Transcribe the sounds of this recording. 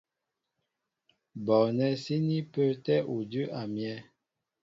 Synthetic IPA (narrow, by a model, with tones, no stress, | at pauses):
bɔ˨nɛ˦si˦ni˦pə˦tɛ˦ʔo˨də˦ʔa˨mjɛ˦